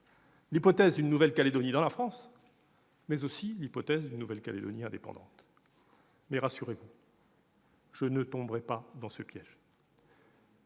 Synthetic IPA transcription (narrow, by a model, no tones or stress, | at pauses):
lipɔt̪ɛzd̪ynːuvɛlkaled̪ɔnid̪ɑ̃lafχɑ̃s | mɛzosilipɔt̪ɛzd̪ynːuvɛlkaled̪ɔ̰niɛ̃d̪epɑ̰̃d̪ɑ̰̃t̪ | mɛʁasyʁevu | ʒ̥ənət̪ɔ̃bʁɛpad̪ɑ̃səpjɛʒ